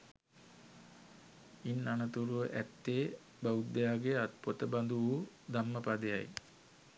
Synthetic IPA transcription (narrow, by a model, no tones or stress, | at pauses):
inːanət̪uɾuʋəʔæt̪ːeː | baud̪ejaːɡeat̪pot̪əband̪uʋuː | d̪amːəpad̪eja̰j